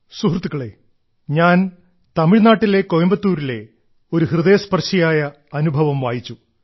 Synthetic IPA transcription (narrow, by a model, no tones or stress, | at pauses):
suɦrt̪ːuɣɐɭe̞̰ | ɲaːn | t̪ɐmiɻnaːʈːile̞kojɐmbɐt̪ːuːɾile̞̰ | o̞ɾuhrɨðɐjɐspɐrɕɐjaːjɐ | ɐnubʱɐʋɐmʋaːjit͡ɕːu